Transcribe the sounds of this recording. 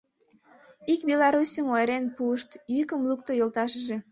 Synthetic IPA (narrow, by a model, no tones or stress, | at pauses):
ikbʲelɑɾusʲəmoeɾenpuəʃt̪jykəmlukt̪ojolt̪ɑʃəʒe